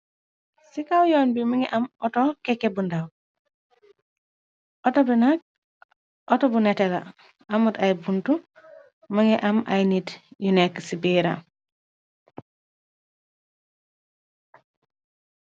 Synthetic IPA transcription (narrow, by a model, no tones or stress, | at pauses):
sikawjoːnbimiŋiʔamotokekːebundaw | otobinak̚ | otobunetela̰ | amutajbuntu | maŋiʔama̰jnitjuneksibiːɾa